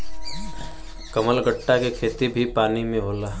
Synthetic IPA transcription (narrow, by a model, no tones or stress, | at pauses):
kɐməlɡəʈːakekʰeːt̪ibʱipaːnimẽɦoːlaː